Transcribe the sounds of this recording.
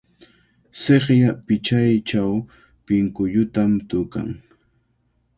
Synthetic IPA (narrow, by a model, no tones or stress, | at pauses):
seχjapɪt͡ʃajt͡ʃaw | pɪŋkʊʎʊt̪amt̪ʊka̰ŋ